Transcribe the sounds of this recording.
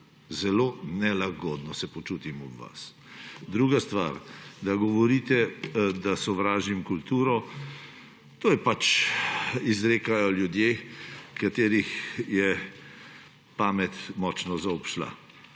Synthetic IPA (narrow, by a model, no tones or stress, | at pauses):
zɛloːnɛlaɡɔːd̪nɔsɛpɔt͡ʃuːt̪imɔbʋa̰s | d̪ɾuːɡast̪ʋa̰ɾd̪aɡɔʋɔɾiːt̪ɛd̪asɔʋɾaːʒimkult̪uːɾɔ | t̪oːjɛpat͡ʃ | izɾeːkajɔljud̪jekat̪eːɾixjɛ | paːmɛt̪mɔːt͡ʃnɔzaɔpʃla̰